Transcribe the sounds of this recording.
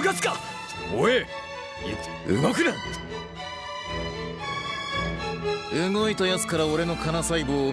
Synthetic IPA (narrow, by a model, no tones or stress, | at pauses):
ɡat͡sɨ̥ka | oe | ɯ̟̰ɡokɯ̟nãn | ɯŋo̞it̪ajasɨ̥kaɾao̞ɾe̞no̞kʰanasaiboː